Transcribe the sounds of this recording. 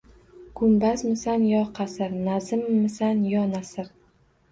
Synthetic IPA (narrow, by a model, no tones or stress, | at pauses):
ɡ̥ʰʊmbasmɪsanjɒqʰɑsɪɾnazɪmːɪsanjɒnasɪɾ